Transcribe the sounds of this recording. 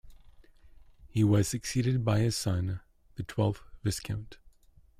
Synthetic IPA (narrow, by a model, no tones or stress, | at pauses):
hiwʌz̥sɨksiɾɨd̚baɪɨ̥sʌ̃n | ðɨtʰw̥ɛlˠfv̥ɪskʰãʊ̃nt